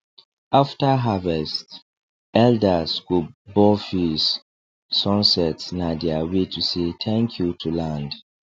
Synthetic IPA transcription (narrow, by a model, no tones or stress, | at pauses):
aftaɦavɛst | ɛldaskubɔfisː | ɔ̃nsɛtsnadɛawetʰusetʰɛ̃ŋkʰjutʰulãnd